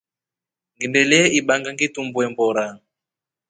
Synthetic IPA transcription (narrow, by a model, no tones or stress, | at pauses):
ŋɡimbɛlɛʔiɓaŋɡaŋɡitumbwɛmbɔɾaŋ